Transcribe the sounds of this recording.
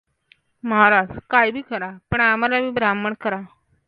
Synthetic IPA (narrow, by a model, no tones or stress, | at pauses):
məɦaɾad͡zkajbʱiːkəɾapəɳamalabiːbɾamːəɳkəɾa